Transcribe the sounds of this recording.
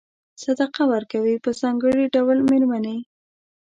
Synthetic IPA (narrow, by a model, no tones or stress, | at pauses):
sad̪aqawəɾkawipəzɑŋɡəɽiɖawlmeɾmane